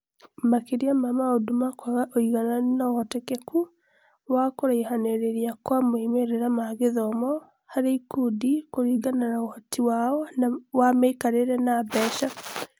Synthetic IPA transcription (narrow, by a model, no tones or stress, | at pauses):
makiɾiamamaodumakwaɣaoiɣananaɔtɛkeku | wakoɾaihaneɾeɾiakwamoimeɾeɾamaɣeðɔmɔ | haɾeikudikoɾiːɡananaohɔtiwaɔnawamaikaɾeɾɛnabɛːʃa